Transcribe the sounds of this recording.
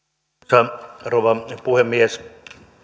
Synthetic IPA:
ɑroʋɑpuhemːies

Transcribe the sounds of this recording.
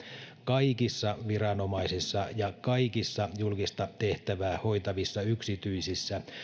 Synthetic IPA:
kɑikisːɑʋiɾɑnomɑisisːɑjɑkɑikisːɑjulkist̪ɑt̪eht̪æʋæːhoit̪ɑʋisːɑyksit̪yisisːæ

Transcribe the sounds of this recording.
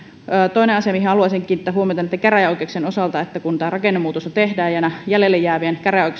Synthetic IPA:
əːt̪oineʔɑsiɑmihɦeɑluɑˑseŋkiːnit̪ːæːɦuomiot̪ɑnit̪ːekæræjoikeksenosɑlt̪ɑet̪ːækunt̪æːrɑkenːemuːt̪ost̪ɑt̪ehdæːjɑnæjælelːejæːʋienkæræjoˑikˑe

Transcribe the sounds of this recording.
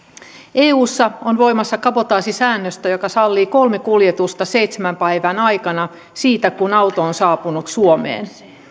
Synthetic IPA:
eːuːsːɑonʋo̞imɑsːɑkɑpot̪ɑːsisæːnːøst̪æjokɑsɑlːiːko̞lmekuljet̪ust̪ɑsejt̪semæmpæiʋænɑjkɑnɑ | siːt̪ækunɑut̪oonsɑːpunut̪suomḛːn

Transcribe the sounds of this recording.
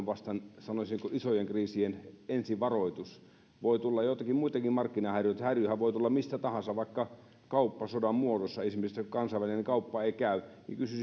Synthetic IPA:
ʋʋɑst̪ɑnsɑnosʲiŋkoʔisojeŋkriːsienensiʋʋɑroit̪us | ʋoit̪ulːɑjot̪ɑkimmuit̪ɑkimmɑrkːinɑhærjyt̪hærjyhæʋʋoˑit̪ulːɑmist̪æt̪ɑhɑnsɑʋɑˑikːɑ | kɑupːɑsodɑmmuodosːɑesimesskkɑnsɑˑiʋælineŋkɑupːɑeˑikæˑynḭkysy

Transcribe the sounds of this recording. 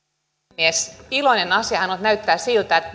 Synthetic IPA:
iesiloinenɑsiɑhɑnot̪næyt̪ːæːssilt̪æˑt̪

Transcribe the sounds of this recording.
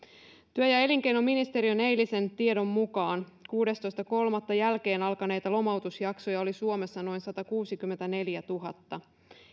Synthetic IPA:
t̪yøjɑe̞liŋk̟e̞jno̞mːinist̪e̞ɾiønejlːise̞nt̪ie̞do̞mːukɑːnkuːdest̪o̞jst̪ɑko̞lmɑt̪ːɑjælke̞ːnɑlkɑne̞jt̪ɑlo̞mɑwt̪usjɑkso̞jɑo̞lisuome̞sːɑno̞jnsɑt̪ɑkuːsikymːent̪æne̞ljæt̪uɦɑ̰t̪ːɑ

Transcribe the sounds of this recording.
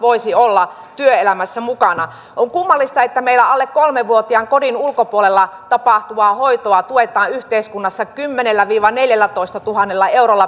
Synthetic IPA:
ʋoisiolːɑ | t̪yøelæmæsːæmukɑnɑ | ʔoŋkumːɑlːist̪ɑet̪ːæmeilːˑæɑlːekkolmeʋʋuot̪iɑŋkodinulkopuolelːɑt̪ɑpɑht̪uʋɑhoit̪oɑt̪uet̪ˑɑːyht̪eiskunːɑsːɑkymːenelːæʋiːʋɑneljælːæt̪oist̪ɑt̪uhɑnːelːɑeurolːɑ

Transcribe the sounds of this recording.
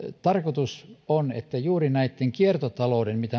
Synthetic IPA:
t̪ɑrkot̪usonḛt̪ːæjuːrinæit̪ːeŋkiert̪ot̪ɑloˑudenmit̪æ

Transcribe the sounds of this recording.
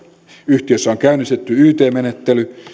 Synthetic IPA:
yht̪iøsːæoŋkæˑynːˑist̪et̪ːyyːt̪eːmenet̪ːely

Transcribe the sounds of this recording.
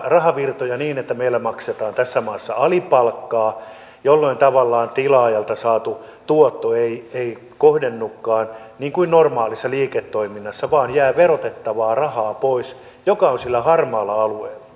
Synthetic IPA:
rɑhɑʋirt̪ojɑniːnet̪ːæmeilːæmɑkset̪ɑːnt̪æsːæmɑːsːɑɑlipɑlkːɑː | jolːoint̪ɑʋɑlːɑːnt̪ilɑːjɑlt̪ɑsɑːt̪u | t̪uot̪ːoeiei | kohdenːukːɑːnniːŋkuinnormɑːlisːɑliːket̪ːoiminːɑsːɑʋɑːnjæːʋerot̪et̪ːɑʋɑːrɑhɑːpois | jokɑonsilːæhɑrmɑːlːɑɑlueilːɑ̥

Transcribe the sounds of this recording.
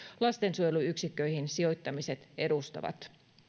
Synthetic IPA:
lɑst̪e̞nsujeluyksikːø̞jhinsio̞jt̪ːɑmise̞t̪e̞dust̪ɑ̰ʋɑ̰t̪

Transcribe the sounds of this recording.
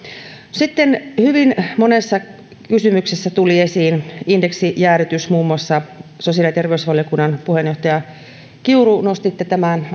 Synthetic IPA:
sit̪ːenhyʋinmonesːɑ | kysymyksesːæt̪ulie̞siːnindeksijæːryt̪ysmuːmːoɑsːɑsosiɑlijɑt̪e̞rʋeysʋɑljokunːɑnpuhenjoht̪ɑjɑ | kiurunost̪it̪ːet̪æmæn

